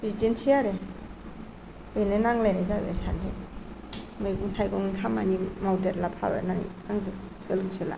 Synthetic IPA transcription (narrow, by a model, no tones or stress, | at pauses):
bidintʰijaɾe | ɔjnenaŋlajnazabḛsa̰ndi | mɯjɡuntʰajɡɔŋikʰamanimawdeɾlapʰa̰bḛnaŋ | aŋze | selɡisela̰